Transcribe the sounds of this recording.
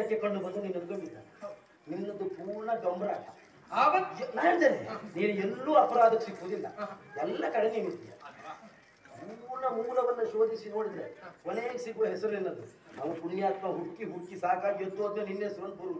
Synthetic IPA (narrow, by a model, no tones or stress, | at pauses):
ɐkːekɐɳɖubɐnd̪uniːnːɐɾɡɐmilːa̰ | ninːɐd̪upuːɾɳɐɡɐmbɾaːtɐ | aːʋɐt̪ːnajɐɳd͡ʒɐleniːnuɛlːuːɐpɐɾaːd̪ɐksikːuʋuːd̪ilːɐ̰ɛlːɐkɐɽeniːnut̪ːija̰ | puɾnɐmuːlɐʋɐnːuʃo̞ːd̪isino̞ːɽid̪ɐɾekoneːksiɡuʋɐɦɛsɐɾuenːɐd̪u | ɐʋɐɾpuɳːjaːt̪mɐɦuɽkːiɦuɽkːisaːkaːɡijot̪ːuɐt̪ɐʋɐninːesɐɾond̪̚buɾuu